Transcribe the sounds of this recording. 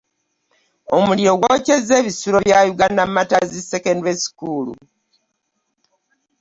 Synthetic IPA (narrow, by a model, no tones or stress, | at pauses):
o̞muliɾo̞ɡwoce̞ze̞ːβisuɾo̞βjajuɡandammːatazisekendwesi̥kulṵ